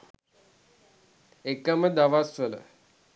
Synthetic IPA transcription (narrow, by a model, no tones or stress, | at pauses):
ekəməd̪aʋasʋələ̰